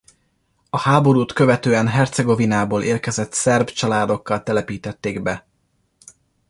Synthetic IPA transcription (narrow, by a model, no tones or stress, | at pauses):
ɒhaːbo̞ɾuːt̪kø̞vɛt̪øːɛnɦɛrt̪sɛɡo̞vinaːboːlʔeːrkɛzɛt̪sɛrbt͡ʃɒlaːd̪o̞kːɒlt̪ɛlɛpiːt̪ɛt̪ːeːɡbɛ